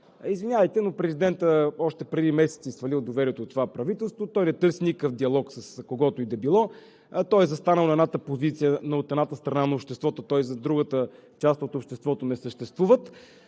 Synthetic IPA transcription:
izvinʲavəjt̪ɛnopɾɛzid̪ɛnt̪əɔʃt̪ɛpɾɛd̪imɛsɛt̪sisfɐlilˠd̪ovɛɾiɛt̪ot̪ːovapɾɐvit̪ɛlˠst̪vot̪ɔjnɛt̪ɤɾsinikəfd̪iɐlˠɔksəskoɡɔt̪oid̪ɛbilˠɔ | t̪ɔjzɐst̪anəlˠnɐɛd̪nat̪əpozit̪sijənoot̪ɛd̪nat̪əst̪ɾɐnanɐopʃt̪ɛst̪vɔt̪ot̪ɔjzɐd̪ɾuɡət̪ə | t͡ʃast̪ot̪opʃt̪ɛst̪vɔt̪onɛsəʃt̪ɛst̪vuvət̪

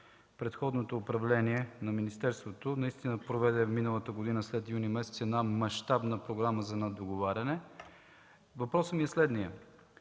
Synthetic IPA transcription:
pɾɛt̪xɔd̪not̪oːpɾɐvlɛniɛnɐminist̪ɛɾst̪vot̪onɐist̪inəpɾovɛd̪ɛfminəlˠət̪əɡod̪inəslɛt̪junimɛsɛt̪sɛd̪namɐʃt̪abnəpɾoɡɾaməzɐnɛd̪oɡovaɾʲɐnɛ | vɐpɾɔsəmiɛslɛd̪nijə

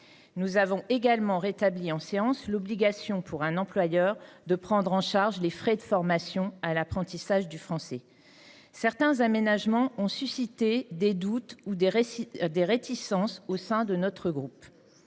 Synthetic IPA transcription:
nuzavɔ̃ʔeɡalmɑ̃ʁet̪abliɑ̃seɑ̃slɔbliɡʲasjɔ̃pʰuʁɛ̃nɑ̃plwajœʁd̪əpχɑ̃d̪ʁɑ̃ʃaʁʒlefχɛd̪əfɔʁmasjɔ̃alapχɑ̃t̪isaʒd̪yfχɑ̃sɛ | sɛʁt̪ɛ̃zamenaʒmɑ̃ɔ̃sysit̪ed̪ed̪ut̪ud̪ed̪eʁet̪ʰisɑ̃sosɛ̃d̪ənɔt̪χəɡʁup

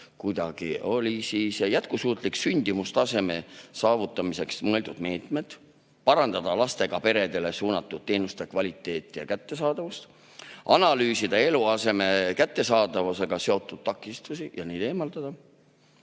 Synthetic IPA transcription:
kujd̪̥ɑɡ̥io̞lʲisiːsjæt̪̚kusuːt̪ˑliksynʲd̪̥imust̪ɑse̞me̞sɑːvut̪ːˑɑmise̞ksmɤe̞ld̪ud̪̥me̞ːt̪me̞d̪̥ | pɑɾɑnd̪̥ɑd̪̥ɑlɑst̪e̞ɡ̥ɑpe̞ɾe̞d̪e̞le̞suːnɑt̪ːˑud̪̥̚t̪ːe̞ːnust̪e̞kvɑlʲit̪ːˑe̞ːt̪ːˑijɑ̰kæt̪ːe̞sɑːd̪̥ɑvust̪ | ʔɑnɑlyːsid̪̥ɑe̞luɑse̞me̞kæt̪ːe̞sɑːd̪̥ɑvuse̞ɡ̥ɑse̞o̞t̪ːˑud̪̥̚t̪ːɑkːˑist̪usijɑniːd̪̥e̞ːmɑld̪̥ɑd̪̥ɑ

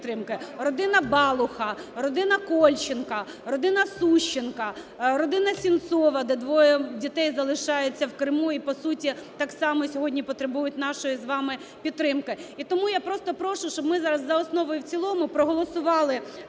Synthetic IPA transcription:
t̪ɾɪmkɪrɔd̪ɪnɐbɑlˠʊxɐrɔd̪ɪnɐkɔlʲt͡ʃɪnkɐ | rɔd̪ɪnɐsuʃt͡ʃːɪnkɐ | ɾɔd̪ɪnɐsʲint̪sɔʋɐd̪ɛd̪ʋɔjɛdʲit̪ɛjzɐlˠɪʃɑjʊt͡sʲːɐwkɾɪmuipɔsutʲit̪ɑksɑmɔsʲɔɦɔdʲnʲipɔt̪ɾebujʊt̚ʲnɑʃɔjizʋɑmɪ | pʲit̪ːɾɪmkɪit̪ɔmujapɾɔst̪ɔpɾɔʃʊʃt͡ʃɔbmɪzɑɾɐzːɐɔsnɔʋɔjʊwt͡sʲilˠɔmʊpɾɔɦɔlˠɔsʊʋɑlˠɪ

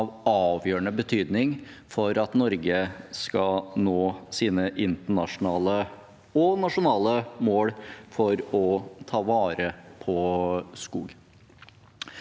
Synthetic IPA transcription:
ʋɑːʋjøːəɳəbət̪ʰyːd̪nɪŋfɔɾɑt̪nɔɾɡəskɑnoːsiːnəʔɪnt̪əɳɑʂʊnɑːlə | ɔnɑʂʊnɑːləmoːɽfɔɾɔt̪ʰɑːʋɑːɾəpʰɔskuːɡ

